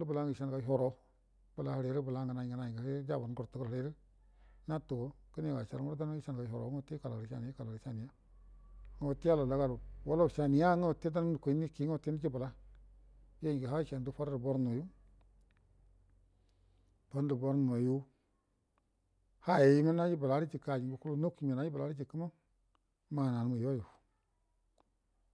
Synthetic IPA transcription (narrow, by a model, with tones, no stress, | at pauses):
u˦bə˨la˦ŋɡi˨ʃa˦n˨ka˨˦ɦo˨ɾo˨ | b̥ə˨la˨ha˨ɾe˨˦ɾi˦bə˨la˦ŋɡa˨na˨ɡa˨na˨jɡa˨ha˦d͡ʒa˦˨ba˨n˦ɡu˨ɾtu˦ku˦ɾe˨˦ɾi˦ | na˦tu˨ɡo˦kə˦ni˦˨wa˨t͡ʃa̰˨ɾmu˦ɾda˦n˦i˦ʃa˦n˨ka˨ho˨ɾo̰˨˦ŋo˦˨ti˦ka˨la˨ɾʃa̰˨ni˨˦a˦ka˨lɾi˨˦a˦˨ni˨ja˦ | ŋa˨˦wo˨ti˦a˦la˨la˨˦ɡa˦˨ɾu˨wa˦lo˦˨ʃa˨ni˨˦ja˦ŋa˦˨ti˦da˦n˦˨ko˨˦ni˦ki˦o˦˨ti˦n˦d͡ʒi˦bə˨la˦ | jo˦ɲi˨ɡa˨ɦa˦i˦t͡ʃa˨n˨du˦fa˦ɾdu˨bo˦ɾno˨ju˦ | b̥a˨˦n˦du˨bo˦ɾn˨o˨ju˦ | ha˦je˨ji˦mi˦na˦d͡ʒi˦ba˨la˨˦ɾi˦t͡ʃi˨ka˨d͡ʒi˨bu˨ku˦lu˦no˦ki˨me˨na˦i˦ba˨la˨˦ɾi˦d͡ʒi˨kə˦ma˦ | ma˨na˨n˦mu˨jo˦ju˨